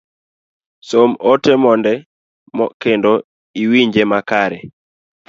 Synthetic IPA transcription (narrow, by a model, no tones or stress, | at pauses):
somotɛmɔndɛ | mɔkendo | iwiɲd͡ʒemakaɾɛ